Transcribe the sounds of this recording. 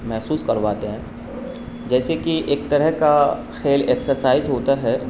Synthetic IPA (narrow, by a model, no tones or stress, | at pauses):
mɛɦsuːskɐɾʋaːt̪eɦɛ̃ː | d͡ʒɛːsekiʔeːk̚t̪ɐɾəɦka | xeːlɛksəɾsaːɪzɦoːt̪aɦɛ